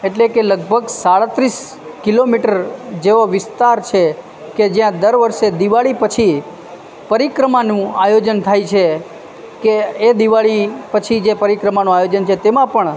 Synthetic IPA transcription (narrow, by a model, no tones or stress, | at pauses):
eʈlekeləɡ̚bʱəɡsaɭət̪ɾis | kilomiʈəɾd͡ʒeʋoʋɪst̪aɾt͡ʃʰe | ked͡ʒjãd̪əɾʋəɾʃed̪iʋaɭipət͡ʃʰi | pəɾikɾəmanũajod͡ʒənt̪ʰajt͡ʃʰe | keːd̪iʋaɭipət͡ʃʰid͡ʒepəɾikɾəmanũajod͡ʒənt͡ʃʰet̪emãpəɳ